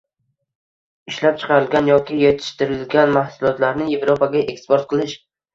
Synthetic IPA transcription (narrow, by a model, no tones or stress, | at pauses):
ɪʃlap̚t͡ʃʰɨ̥qʰɑɾɪlɡʲanjɒkʲɪjet̪ʰɪ̥ʃt̪ɪɾɪlɡʲanmahsʊlˠɒt̪laɾnɪje̞vɾopaɡʲaʔekspoɾt̪̚qʰɨlˠɪʃ